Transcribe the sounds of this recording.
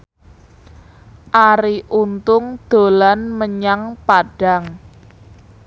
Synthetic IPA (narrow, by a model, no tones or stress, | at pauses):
ʔaɾiʔunt̪ʊŋd̪̥o̤lanməɲaŋpaɖ̥aŋ